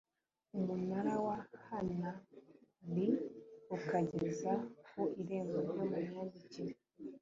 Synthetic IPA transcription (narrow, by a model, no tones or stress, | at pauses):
umunaɾawahana | βiukaɟezakuʔiɾe̞ːŋɡoɾjomuɲɲadiciɾ